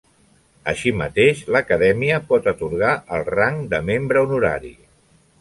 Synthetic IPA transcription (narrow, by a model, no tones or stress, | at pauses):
əʃimət̪eʃləkəðɛmiəpɔt̪ət̪uɾɣ̞aəlˠraŋd̪əmembɾəunuɾa̰ɾḭ